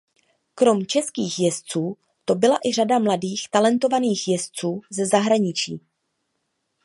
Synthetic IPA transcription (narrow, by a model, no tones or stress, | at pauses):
kɾo̞mt͡ʃɛskiːxjɛst͡suː | t̪o̞bɪlaʔɪr̝adamladiːxt̪alɛnt̪o̞vaniːxjɛst͡suːzɛzaɦɾaɲɪt͡ʃiː